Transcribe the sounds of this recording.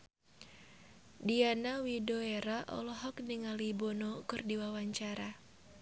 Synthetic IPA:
dianawidoeɾaʔɔ̰lɔɦɔkniŋalibonɔkɨrdiwawaɲt͡ʃaɾa

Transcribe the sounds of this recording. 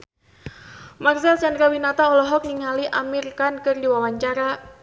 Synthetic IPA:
marsɛlsandɾawinat̪aɔlɔɦɔk̚niŋaliʔamirkankɨrdiwawaɲt͡ʃaɾa

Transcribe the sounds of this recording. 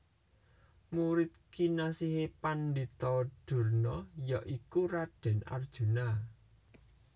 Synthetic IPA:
muɾɪt̪̚kinasiɦepand̪it̪ɔɖ̥ṳrnɔjaʔikuɾaɖ̥ɛ̤na̰rd̥ʒ̥ṳna

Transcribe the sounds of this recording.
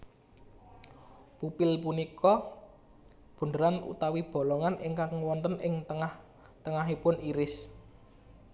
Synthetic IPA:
pupɪlpunikɔ | b̥ṳndəɾanṵt̪awib̥ɔ̤lɔŋanʔɪŋkaŋwɔnt̪ənɪŋt̪əŋah | t̪əŋaɦipʊniɾɪs

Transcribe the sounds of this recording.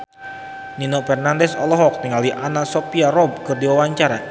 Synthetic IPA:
ninɔfɛrnandɛsɔlɔɦɔk̚t̪əŋaliʔanasɔpiarɔb̚kɨrdiwawaɲt͡ʃaɾa

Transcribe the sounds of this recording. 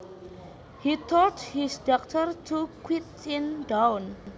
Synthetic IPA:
hit̪ʰɔthisdɔk̚tʰərtʰukwit | ɪndawn

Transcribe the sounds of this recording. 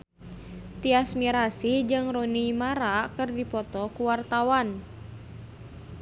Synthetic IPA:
t̪iasmiɾasid͡ʒɨŋrɔnimaɾakɨrdipɔt̪ɔkuwart̪awan

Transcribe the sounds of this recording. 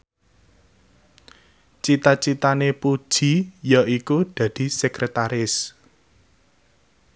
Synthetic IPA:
t͡ʃit̪at͡ʃit̪anepud̥ʒ̥i̤jaʔikud̪̥ä̤d̪̥i̤sɛkɾet̪aɾɪs

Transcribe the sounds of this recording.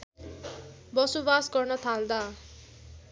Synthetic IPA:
bʌsobasɡʌrnʌt̪ʰald̪a

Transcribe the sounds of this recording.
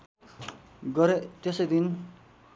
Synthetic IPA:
ɡʌɾet̪esʌjd̪in

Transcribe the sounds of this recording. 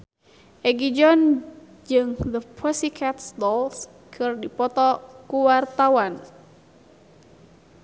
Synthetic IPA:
ʔɛɡid͡ʒɔn | d͡ʒɨŋðəpʰɔsikʰat̪sdɔls | kʰɨrdipɔt̪ɔkuwart̪awan

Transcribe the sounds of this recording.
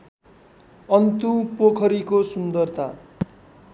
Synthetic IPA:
ʌnt̪upokʰʌɾikosund̪ʌrt̪a

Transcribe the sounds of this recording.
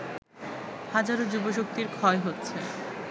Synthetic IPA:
had͡ʑaɾod͡ʑuboʃ̬ok̚t̪iɾkʰɔeɦotːɕʰe

